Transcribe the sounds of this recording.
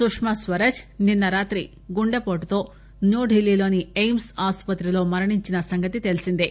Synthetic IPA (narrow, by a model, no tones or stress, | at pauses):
sukʂmɐsʋɐɾɐd͡ʒninːɐɾaːt̪ɾi | ɡuɳɖepoːʈt̪o̞ː | noːɖʱɦilːilo̞ːniejmsaːspɐt̪ɾilo̞ːmɐɾɐɳiɲt͡ʃinɐsɐŋɡɐt̪it̪elisind̪i